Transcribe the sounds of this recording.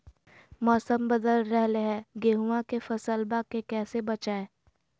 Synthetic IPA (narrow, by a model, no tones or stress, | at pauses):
mɔːsəmbəd̪əlɾɛɦleɦɛ̃ɡeːɦuãkefɐsəlbakekɛːsebɐt͡ʃaːeː